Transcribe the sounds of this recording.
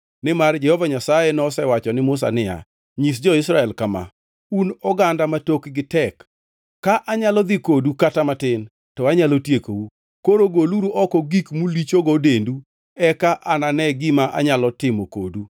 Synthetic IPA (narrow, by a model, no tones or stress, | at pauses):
nɪmard͡ʒɛhɔvaɲasajenɔsɛwat͡ʃɔnɪmʊs̬a̰nɪja̰ | ɲis̬d͡ʒɔɪsɾaɛlkama̰ | unɔɡandamatokɡɪtɛkː | aʔaɲalɔd̪ɪkodukatamatɪn | tɔaɲalotjekou | koɾoɡoluɾuʔɔkɔɡikmulit͡ʃoɡɔdendu | ɛkaʔananɛɡɪmaʔa̰ɲalɔtɪmɔko̰du